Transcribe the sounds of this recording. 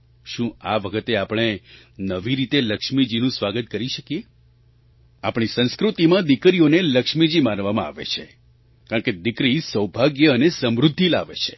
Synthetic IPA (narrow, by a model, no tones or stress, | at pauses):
ʃũaʋəkʰət̪eapɳ̃e | nəʋiɾit̪eləkʃmid͡ʒinũsʋaɡət̪̚kəɾiʃəkije | apɽ̃isə̃ñskɾut̪imãd̪ikɾijoneləkʃmid͡ʒimaɾʋamãa̰ʋḛt͡ʃʰe | kaɳ̃ked̪ikɾisəwbʱaɡjəːnesəmɾud̪ʱːilaʋḛt͡ʃʰe̥